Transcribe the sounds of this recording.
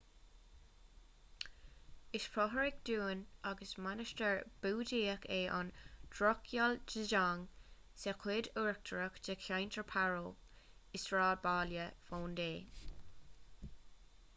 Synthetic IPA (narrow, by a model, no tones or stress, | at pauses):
ɪʃfɹɔɦəɹɪkd̪̥uːnaɡəsmanəʃtəɹb̥uːdiːəkʰeːʔa̰nd̥ɹɔkʰjald͡ʒəʒaŋ | sekʰweːduɹk̚tʰəɹəkd͡ʒəkʰajntʰəɹpʰaɹoː | ɪsɹaːd̚baːljəfoːndeː